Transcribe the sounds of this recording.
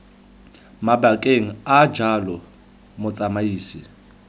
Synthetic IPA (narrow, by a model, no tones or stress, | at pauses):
mabakʼeŋ̩ad͡ʒalɔ | mʊt͡sʼamaiːsɪ